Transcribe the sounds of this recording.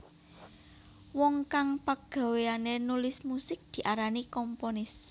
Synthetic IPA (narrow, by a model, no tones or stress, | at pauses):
wɔŋkaŋpaɡ̥a̤weanenulɪsmusɪk̚d̪̥i̤ʔaɾanikɔmponɪs